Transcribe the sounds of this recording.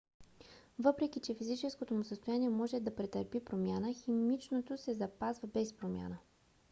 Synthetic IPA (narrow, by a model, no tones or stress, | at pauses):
vɤpɾɛk̟it͡ʃɛfizit͡ʃɛskot̪omʊsəst̪ojaniɛmɔʒɛd̪ɐpɾɛt̪əɾpipɾomjanəximit͡ʃnot̪osɛzɐpazvəbɛspɾomʲja̰nə